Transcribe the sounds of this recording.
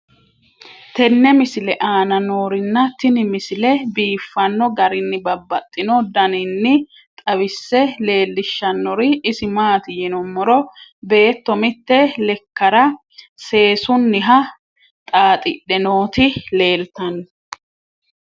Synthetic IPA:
t̪ɛnːɛmɪsɪlɛʔaːnɐnoːɾɪnːɐt̪ɪnɪmɪsɪlɛbiːfːɐnːɔɡɐɾɪnːɪbɐbːɐt̪ʼːɪnɔd̪ɐnɪnːɪ | t̪ʼɐwɪsːɛle̞ːlːɪʃːɐnːɔɾɪːsɪmaːt̪ɪjɪnɔmːɔɾɔbe̞ːt̪ːɔmɪt̪ːɛlɛkːɐɾɐ | se̞ːsʊnːɪɦɐ | t̪ʼaːt̪ʼɪɗɛno̞ːt̪ɪle̞ːlt̪ɐnːɔ

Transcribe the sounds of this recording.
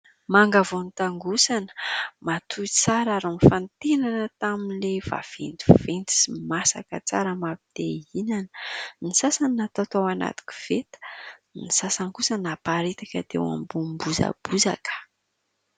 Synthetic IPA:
maŋɡavonit̪aŋɡusanə̥mat̪ʰuit͡saɾaɾanfant̪enanət̪aminlev̥a̰v̥ḛnd͡zivent͡si̥simasa̰kət͡saɾəmapid̪̥einanənisasaniat̪at̪owana̰t̪u̥ki̥v̥et̪ə̥nisasaŋkusənapaɾet̪akəd̪ḛwa̰mbumbuza̰b̥uza̰kə̥

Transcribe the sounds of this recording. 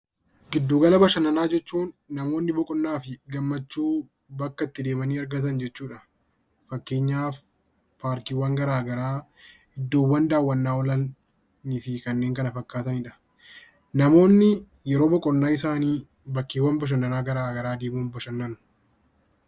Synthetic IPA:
ɡɪd̪ːuːɡɐlɐbɐʃɐnːɐnaːd͡ʒɛt͡ʃːuːnːɐmo̞ːnːɪbɔkʼɔnːaːfɪɡɐmːɐt͡ʃːuː | bɐkːɐɪt̪ːɪd̪e̞ːmɐniːɐɾɡɐt̪ɐnd͡ʒɛt͡ʃːuːᶑɐ | fɐkːe̞ːɲːaːf | paːɾkiːwːɐŋɡɐɾaːɡɐɾaː | ɪd̪ːoːwːɐnd̪aːwːɐnːaːɔlɐnː | ɪfɪkɐnːeːŋkɐnɐfɐkːaːt̪ɐnɪᶑɐ | nɐmo̞ːnːɪjɛɾo̞ːbɔkʼɔnːaːɪsaːniː | bɐkːiːwːɐnbɐʃ̬ɐnːɐnaːɡɐɾaːɡɐɾaːd̪eːmuːnbɐʃɐnːɐnʊ̥

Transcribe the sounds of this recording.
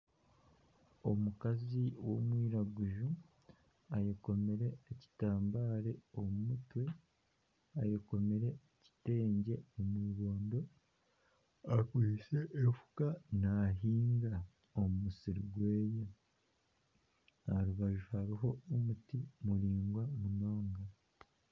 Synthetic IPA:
o̞mukaziwo̞mwiːɾaɡuʒu | ajeko̞me̞ɾe̞ːci̥taːmbaːɾe̞omumutwe̞ | ajeko̞me̞ɾe̞ːci̥te̞ːɲɟe̞omwiːβo̞ːndo̞ | akiiʃe̞ʔefu̥kanaɦiːŋɡa | omumusiɾiɡwe̞ːjo | aɾuβaʒuhaɾiɦo̞umutimuɾiːŋɡwamuno̞ːŋɡa

